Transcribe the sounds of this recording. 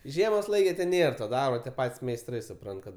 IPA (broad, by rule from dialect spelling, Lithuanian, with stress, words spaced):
ˈʒʲiɛmoːs ˈlˠɐɪkʲɛ tʲɛn ˈnʲeːr toː ˈdɐrboː tʲiɛ ˈpɐtʲsʲ mʲɛɪsˈtrɐɪ sʊˈprɐnt kɐt